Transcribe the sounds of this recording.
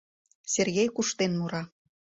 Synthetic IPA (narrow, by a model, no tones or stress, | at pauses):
serɣejkuʃt̪enmuɾɑ